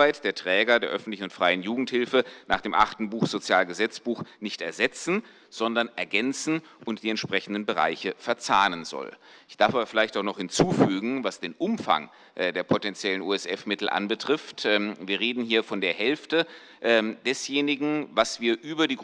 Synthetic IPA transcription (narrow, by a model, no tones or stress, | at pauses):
aɪtd̥eːɐtʁ̥ɛːɡɐdeːɐʔœfn̩tlɪçn̩ʊntfʁ̥aɪənjuːɡŋ̩thɪlfənʔa̰ːχd̥eːmʔa̰χtn̩buːxz̥ot͡sjaːlɡəzɛt͡sb̥uːxnɪçtɛɐzɛt͡sn̩ | z̥ɔndɐnʔɛɐɡɛnt͡sn̩ | ʔʊntd̥iːɛntʃpʁ̥ɛçn̩dən̩bəʁa̰ɪçəfɛɐt͡saːnənzɔ̰l | ʔɪçd̥aɐfaːbɐfɪlaɪçtaʊxnɔχhɪnt͡suːfyːɡŋ̩vasd̥eːnʔʊmfa̰ŋ | ʔdeːɐpʰotɛnt͡sjɛlənʔṵːɛsʔɛfmɪtl̩ʔa̰nbətʁ̥ɪftɛviːɐʁeːdn̩hiːɐfɔndeːɐɦɛlftə | ʔɛd̥ɛsjeːnɪɡŋ̩vasv̥iːɐʔyːbɐdiːɡ